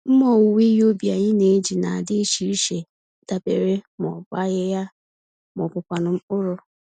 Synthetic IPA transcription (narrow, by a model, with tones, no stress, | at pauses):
m̩˦mɔ˦˨wu˨wi˦jo˦bja˨ɲɪ˦ne˦d͡ʒi˨na˨a˨dɪ˦ʃi˨˦i˦ʃe˨ | da˦be˨ɾe˦mɔ˨ba˦ɣɪ˦ja˦ | mɔ˨pʊ˨kʷa˨nʊ˨˦m̩˦ʊ˦ɾʊ˦